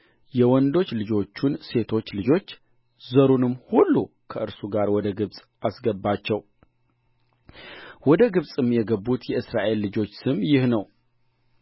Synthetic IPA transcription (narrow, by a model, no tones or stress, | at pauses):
jɛwɔnd̪o̞t͡ʃːlɨd͡ʒo̞t͡ʃːunse̞t̪ʰo̞t͡ʃːlɨd͡ʒo̞t͡ʃː | zəɾunɨmːhulːu | kʰəʔɨɾsuɡaɾwɔd̪əɡɨβsʼ | ʔasɡəbːat͡ʃːɛw | wɔd̪əɡɨβsʼɨmːjɛɡəbːut̪jɛʔɨsɾaʔe̞lːɨd͡ʒo̞t͡ʃːsɨmjɪhnəw